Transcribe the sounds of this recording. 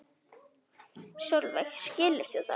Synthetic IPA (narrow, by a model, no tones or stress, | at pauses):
ʃjowlvɛxscɪːlɪθoθa̰